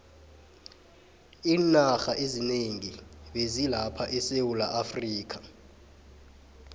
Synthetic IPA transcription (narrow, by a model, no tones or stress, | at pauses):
iːnaxaʔezineŋiɓezilapʰaʔɛsewulaʔafriːk̬ʰḁ